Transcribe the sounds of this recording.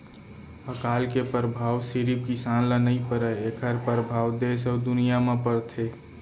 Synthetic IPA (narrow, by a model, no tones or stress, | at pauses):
əkaːlkepəɾəbʱaːwsiɾip̚kisanlənəipəɾəekʰəɾpəɾəbʱaːwd̪esəd̪ʊnijamẽpəɾt̪ʰe